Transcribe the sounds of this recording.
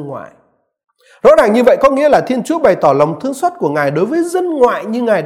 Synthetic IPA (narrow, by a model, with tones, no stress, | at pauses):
ŋwa̰ː˧˨j | zo̰˧˥ɗaː˨˩ŋɲɨ˧və̰˧˨jkɔ˨˦ŋḭ˧˥əlaː˨˩t̪ʰi˧ənt͡ɕu˨˦əɓa˨˩jt̪ɔ˧˩lə˨˩wŋ͡mt̪ʰɨ˧əŋswaː˦˥t̚ku˧˩əŋaː˨˩jɗo˨˦jvəː˨˦jzə˧nŋwa̰ː˧˨jɲɨ˧ŋaː˨˩j